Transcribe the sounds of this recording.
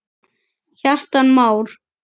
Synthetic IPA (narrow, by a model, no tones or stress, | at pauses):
çar̥t̪anmaːwɾ̥